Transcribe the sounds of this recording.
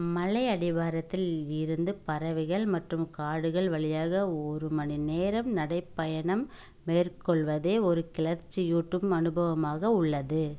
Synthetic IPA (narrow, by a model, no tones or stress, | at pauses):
mɐlɐɪɐɽɪʋaːɾɐt̪ːɪlɪɾɯnd̪ɯpɐɾɐʋɪɣɐɭmɐʈrɯmkaːɽɯɣɐɭʋɐɭɪjaːɣɐɔɾɯmɐnineːɾɐmnɐɽɐɪpːɐjɐɳɐmː | eːrkɔɭʋɐðeːɔɾɯkɪlɐɾt͡ʃːijuːʈːɯmɐnɯbɐʋɐmaːɣɐʊɭːɐðɯ